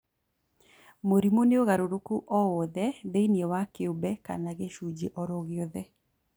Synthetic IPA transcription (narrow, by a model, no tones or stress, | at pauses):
moɾimoneoɣaɾoɾokuʔɔwɔðɛðeiniewakeobɛka̰naɣeʃud͡ʒeʔɔɾoɣeɔðɛ